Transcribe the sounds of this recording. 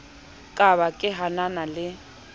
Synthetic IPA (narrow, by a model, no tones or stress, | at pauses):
kʼaβakʼɪɦananalɪ